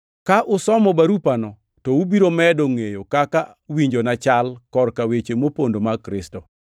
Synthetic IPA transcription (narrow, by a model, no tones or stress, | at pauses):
kaʔʊsɔmɔbaɾupanɔ | tɔubiɾomɛdoŋejokaka | wiɲd͡ʒonat͡ʃalkɔrkawet͡ʃemopondomakɾɪstɔ